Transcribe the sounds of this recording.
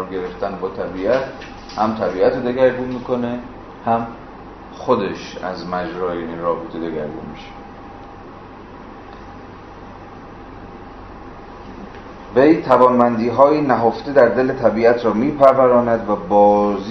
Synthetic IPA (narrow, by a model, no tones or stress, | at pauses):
ɾɡe̞ɾeft̪ænbɒːt̪ʰæbiːæt̪ | hæmt̪ʰæbiːæt̪ʰed̪e̞ɡæɾɡuːnmiːkʰo̞ne̞ | hæm | xod̪eʃæ̰zmæd͡ʒɾɒːjeniɾɒːbet̪ʰed̪eɡæɾɡṵnmiʃe̥ | vejt̪ʰævɒːnmænd̪iːɦɒːjinæɦoft̪ed̪æɾd̪e̞let̪ʰæbiːæt̪ʰɾɒːmiːpʰæɾvæɾɒːnæd̪væbɒːz